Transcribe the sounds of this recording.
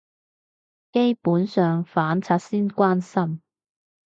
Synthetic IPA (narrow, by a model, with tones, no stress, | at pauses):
ke˥jpuː˨˥nsœː˨ŋfaː˨˥nt͡sʰaː˧t̚siː˥nkʷaː˥nsɐ˥m